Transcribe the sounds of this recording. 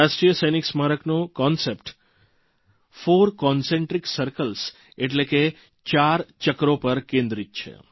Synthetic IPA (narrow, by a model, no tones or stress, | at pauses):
aʃʈɾijəsəjniksmaɾəknõkɔnsepʈ | foɾkɔnsẽɳʈɾiksəɾkəls | eʈleke | t͡ʃaɾt͡ʃəkɾopəɾkẽnd̪ɾit̪̚t͡ʃʰḛ